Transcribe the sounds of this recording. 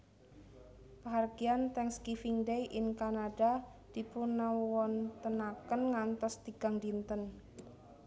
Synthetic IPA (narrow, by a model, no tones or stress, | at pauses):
paɦarɡiant̪ɛŋskifiŋdejʔɪŋkanaɖa | d̪̥ipunawɔnt̪ənakənŋant̪ɔst̪iɡ̥a̤ŋd̪int̪ən